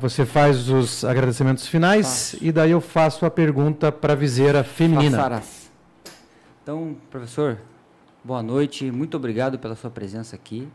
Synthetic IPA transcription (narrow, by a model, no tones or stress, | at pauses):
vosefajzʊzaɡɾad̪esimẽnt̪ʊ̥sfinajsɪd̪aiewfasʊɐpeɾɡũnt̪ɐpɾɐvizeɾɐfemmĩnnĩnɐaɾa | t̪ɐ̃w̃pɾofesoɾ | boɐnojt͡ʃɪmũj̃t̪ʊobɾiɡad̪ʊpelɐsuɐpɾezẽsɐːki